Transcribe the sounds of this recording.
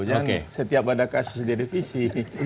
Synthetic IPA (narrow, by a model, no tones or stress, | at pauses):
d͡ʒaonkḛsət̪iapadakasʊ̥sdidifisi